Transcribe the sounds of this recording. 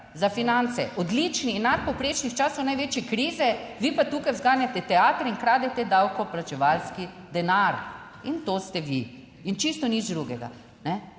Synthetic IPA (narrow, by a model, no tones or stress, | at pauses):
zafinant̪sɛ̰ʔɔd̪lit͡ʃniːnːat̪̚pɔwpɾeːt͡ʃnixt͡ʃaːsɔwnajʋeːt͡ʃjɛkɾiːzɛʋiːpat̪uːkajwzɡaːnjat̪ɛt̪ɛaːt̪ɾinkɾaːd̪ɛt̪ɛd̪awkɔplat͡ʃɛʋalski | d̪ɛnaɾ | int̪ost̪ɛʋiː | nt͡ʃist̪ɔnid͡ʒd̪ɾuɡɛɡa̰ | nɛ